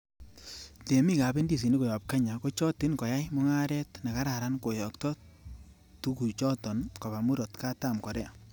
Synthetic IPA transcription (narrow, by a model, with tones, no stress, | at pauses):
te˨mi˦ka˨be˦ndi˦˨s̬i˨ni˦ko˨jɔ˨p̚ka˦ɲa˨ko˦t͡ʃɔ˦ti˦nkɔ˨ja˦jmɔ˦ŋa˦ɾɛ˦tna˨ka˦ɾa˨ɾa˦nko˨jɔ˨ktɔ˦ | tu˦ku˨t͡ʃɔ˦tɔ˨nko˨ba˨mu˦ɾɔ˨tka˦ta˦˨mkɔ˨ɾɛ˦a˨